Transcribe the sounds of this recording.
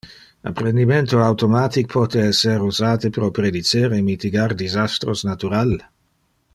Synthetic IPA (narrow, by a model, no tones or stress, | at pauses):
a̰pɾend̪iment̪oawt̪omaːt̪ik̚pʰɔt̪eɛsːeɾuzaːt̪epɾopɾed̪it͡seɾemit̪iɡard̪izast̪ɾosnat̪uɾal